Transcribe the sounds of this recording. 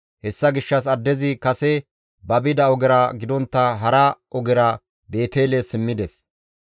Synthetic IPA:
hɛsːɐɡɪʃːɐsɐd̪ːɛzɪkɐsɛ | bɐbɪd̪ɐɔɡɛɾɐɡɪd̪ɔnt̪ːɐɦɐɾɐʔɔɡɪɾɐ | be̞ːt̪eːlɛsɪmːɪd̪ɛs

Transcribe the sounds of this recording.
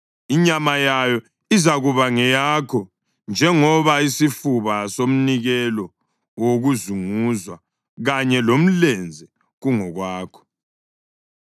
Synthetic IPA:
iɲamajajɔ | izaɣuβaŋɛjakʰɔ | nd͡ʒʱɛŋɔβaisifuβasom̩niɣɛlɔ | woɣuzuŋuzwa | ɣaɲɛlom̩lɛnd͡zʱɛ | ɣuŋɔɣwaːkʰɔ̥

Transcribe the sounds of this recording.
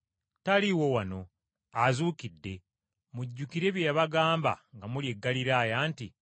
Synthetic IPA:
taliwo̞wano̞ | azuːkidːe̞ | muɟːukiɾe̞βjeːβaɡaːmba̰ŋɡamulje̞ɡːaliɾaːjaːnti

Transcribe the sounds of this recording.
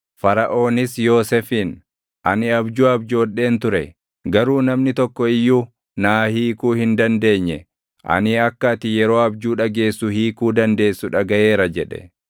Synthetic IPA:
fɐɾɐʔo̞ːnɪsjo̞ːsɛfiːn | ʔɐnɪɐbd͡ʒuːɐbd͡ʒo̞ːᶑːe̞ːnt̪ʊɾɛ | ɡɐɾuːnɐmnɪt̪ɔkːɔɪjːuː | naːhiːkuːhɪnd̪ɐnd̪e̞ːɲːɛ | ʔɐ̰nɪɐkːɐt̪ɪjɛɾo̞ːɐbd͡ʒuːᶑɐɡe̞ːsːʊhiːkuːd̪ɐnd̪e̞ːsːʊᶑɐɡɐʔe̞ːɾɐd͡ʒɛᶑɛ̥̰

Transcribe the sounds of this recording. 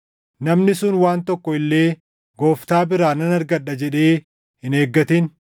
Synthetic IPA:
nɐmnɪsʊnwaːnt̪ɔkːɔɪlːe̞ː | ɡoːft̪aːbɪɾaːnɐnɐɾɡɐɗːɐd͡ʒɛᶑe̞ː | hɪne̞ːɡːɐt̪ɪn

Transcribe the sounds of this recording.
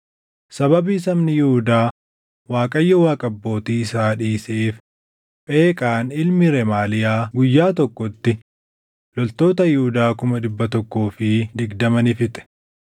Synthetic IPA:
sɐbɐbiːsɐmnɪjɪhʊd̪aː | waːkʼɐjːɐwaːkʼɐbːo̞ːt̪iːɪsaːᶑiːseːf | pe̞ːkʼaːnɪlmɪɾɛmaːlɪjaːɡʊjːaːt̪ɔkːɔt̪ːɪ | lɔlt̪o̞ːt̪ɐjɪhʊd̪aːkʊmɐᶑɪbːɐt̪ɔkːoːfɪd̪ɪɡd̪ɐmɐnɪfɪt̪ʼɛ̥

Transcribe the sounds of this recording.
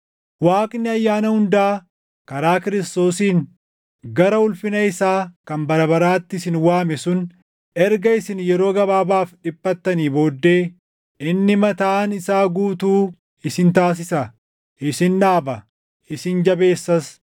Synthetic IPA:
waːkʼnɪɐjːaːnɐhʊnd̪aː | kɐɾaːkɪɾɪst̪o̞ːsiːn | ɡɐɾɐʊlfɪnɐɪsaːkɐmbɐɾɐbɐɾaːt̪ːɪsɪnwaːmɛsʊn | ɛɾɡɐɪsɪnjɛɾo̞ːɡɐbaːbaːfᶑɪbʼːɐt̪ːɐniːbo̞ːd̪ːe̞ː | ɪnːɪmɐt̪aːnɪsaːɡuːt̪uː | ɪsɪnt̪aːs̬ɪsɐ | ʔɪsɪnᶑaːbɐ | ɪsɪnd͡ʒɐbe̞ːsːɐs

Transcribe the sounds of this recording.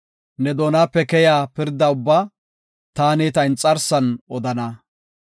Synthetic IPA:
nɛd̪o̞ːnaːpːɛkɛjaːpɪɾd̪ɐʊbːaː | t̪aːneːt̪ɐɪnt͡sʼɐɾsɐnɔd̪ɐnɐ

